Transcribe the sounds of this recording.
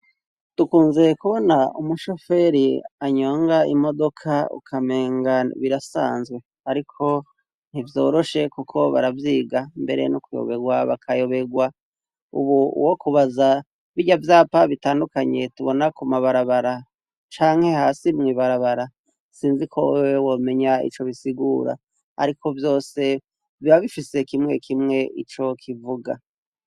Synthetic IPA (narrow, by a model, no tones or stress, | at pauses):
tukuːnze̞kuβo̞naumuʃo̞fe̞ɾiaɲo̞ːŋɡaimo̞do̞kʰaṵkʰame̞ːŋɡaβiɾasa̰ːnzɡwe̞ | aɾikʰo̞ | n̥hivjo̞̰ːɾo̞ʃe̞kukʰo̞βa̰ɾavjiːɡambe̞̰ɾḛnukujo̰βe̞ɡwaβa̰kʰajo̞βe̞ɡwa | ṵβuṵwo̞kuβaza | βiɟavjaːpaβitaːndukaɲe̞tuβo̞nakumaβaɾaβaɾa | t͡ʃaːŋhe̞haːsimŋiːβaɾaβaɾa | siːnzikʰowwewome̞ɲaḭt͡ʃo̞βisiɡuːɾa̰ | ha̰ɾikʰo̞vjo̞ːse̞ | viβaβifise̞kimŋe̞kʰimŋe̞it͡ʃo̞kʰivuɡa